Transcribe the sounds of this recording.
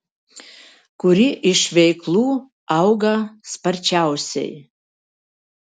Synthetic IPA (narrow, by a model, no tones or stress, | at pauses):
kʷʰʊɾiʔiʂvejkʰlu | awɡaspʰart͡ʃʰawsḛj